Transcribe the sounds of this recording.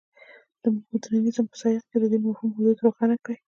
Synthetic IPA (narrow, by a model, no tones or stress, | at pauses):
d̪̥əmhud̪nanizamasɑjɪqked̪əd̪emahumhʊd̪ud̪ɾoxɑnakɽe